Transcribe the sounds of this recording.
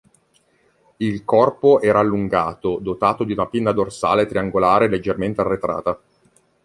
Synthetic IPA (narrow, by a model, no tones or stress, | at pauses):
ilkɔrpoʔɛːɾaːlːuŋɡaːt̪od̪ot̪aːt̪od̪iunapinːad̪orsaːlet̪ɾiaŋɡolaːɾeled͡ʒːerment̪earːet̪ɾa̰ːt̪a